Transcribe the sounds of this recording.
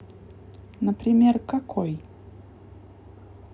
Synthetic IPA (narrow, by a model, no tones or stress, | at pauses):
nəpɾʲɪmʲerkakʰoj